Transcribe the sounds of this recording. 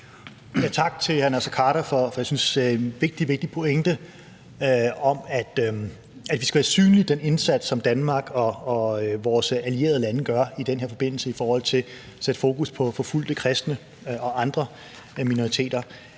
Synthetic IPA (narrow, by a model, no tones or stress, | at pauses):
jæt͡sʰɑ̈ɡ̥t͡sʰe̝lhænæsækʰɑ̈ːɾɐfɒ̽fɒjäsynsʋe̝ɡ̥̚d̥iʋe̝ɡ̥̚d̥ipʰo̝eŋd̥ə | ɒ̽mæd̥ | æd̥ʋisɡ̥æʋæːɐsy̰ːnlid̥ene̝nsæd̥sɒ̽md̥ænmɑ̈ːɡ̥ɒ̽ːʋɒːsælie̝̰ɐð̞ˠlænəɡ̥ɶɐid̥enɦeɐfɒ̽b̥e̝n̰l̩səifɒːhɒ̽l̰t͡sʰe̝l | sed̥əfo̝ːkuspʰɒ̽fɒ̽ful̰d̥əkʰʁɛsd̥nə | ɒ̽ʔɑ̈nd̥ʁɐ | mino̝ʁit͡sʰe̝̰ːd̥ɐ